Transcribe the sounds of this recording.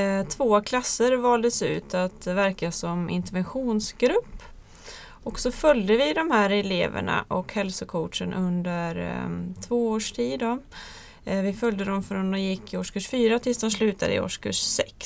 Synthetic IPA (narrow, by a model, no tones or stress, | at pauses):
t̪ʰvoːkʰlasːəɾvɑːld̪əsʉ̟̰ːt̪at̪væɾkasɔmɪ̰nt̪əɾvɛnɧuːnsɡ̥ɾɵpː | ɔksɔfœljd̪əvɪd̪ɔmhæːɾɛlḛːvə̰ɳa̰ʔɔkhɛlsʊkʰɔʈʂənʔɵnd̪əɾt̪ʰvoːoːʂʈʰiːd̪ɔ | vɪfœljd̪əd̪ɔmfɾɔnd̪ɔmjɪkʰːɪoːʂkʰɵʂfyːɾat̪ʰɪlsd̪ɔmslʉ̟ːt̪ad̪əɪ̰o̰ːʂkʰɵ̰ʂsɛks